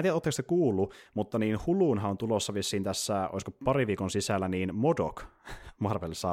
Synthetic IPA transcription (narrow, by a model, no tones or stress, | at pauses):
iæt̪ot̪ːɑksekuːlːumut̪ːɑniːnhuluːnɦɑont̪ulosːɑʋisːiːnt̪æsːæʔo̰iskopɑɾiʋiːkonsisælːæniːnmodokmɑrʋelsɑ